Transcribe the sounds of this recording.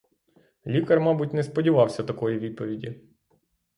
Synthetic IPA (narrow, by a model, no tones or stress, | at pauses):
lʲikɐrmɑbʊtʲnɛspɔdʲiʋɑwsʲɐt̪ɐkɔjiʋʲid̪̚pɔʋʲidʲi